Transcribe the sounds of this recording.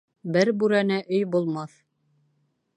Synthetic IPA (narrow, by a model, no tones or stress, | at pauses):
bɘɾbʉɾænæʔɵjbulˠmɑθ